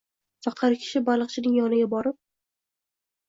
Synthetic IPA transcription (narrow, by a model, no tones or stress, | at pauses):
sɑqʰɑɾkʲʰɪ̥ʃɪbalˠɨqt͡ʃʰɪnɪŋjɒnɪɡʲabɒɾɪp̚